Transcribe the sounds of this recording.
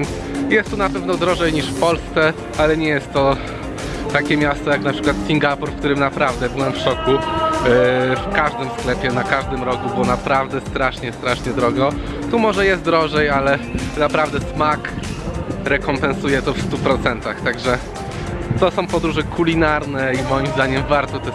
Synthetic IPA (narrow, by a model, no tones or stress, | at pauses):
ns | jɛst̪ːunapɛvnɔd̪ɾɔʐɛjɲiʂfpɔlst̪sɛ | alɛɲɛjɛst̪ːɔ | t̪akʲɛmʲjast̪ɔjaknapʂɘ̥kwat̪sʲiŋɡapɔɾfkt̪uɾɘmnapɾavd̪ɛbɘwɛmfʂɔku | fkaʐd̪ɘmsklɛpʲjɛnakaʐd̪ɘmɾɔkubɘɔɔnapɾavd̪ɛst̪ɾaʂɲɛst̪ɾaʂɲɛd̪ɾɔɡɔ | t̪umɔʐɛjɛst̪d̪ɾɔʐɛjalɛnapɾavd̪ɛsmak | ɾɛkɔmpɛ̃nsujɛt̪ɔfst̪upɾɔt̪sɛnt̪axt̪aɡʐɛ | t̪ɔsɔ̃w̃pɔd̪ɾuʐɛkʰulʲinaɾnɛimɔjimzd̪aɲɛmvaɾt̪ɔt̪ɛ